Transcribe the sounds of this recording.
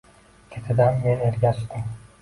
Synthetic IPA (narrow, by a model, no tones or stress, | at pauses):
kʲʰet̪ʰɪd̪anmeneɾɡʲaʃt̪ɪm